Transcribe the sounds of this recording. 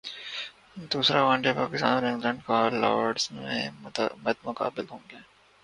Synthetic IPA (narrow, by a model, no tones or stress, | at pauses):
d̪uːsɾaʋãːɳɖepaːkɪst̪aːnoɾɪ̃ŋɡlɛ̃ːɳɖkalɔ̰ːɖsmḛ̃mət̪̚mʊka̰ːbɪlɦõːŋɡeɛː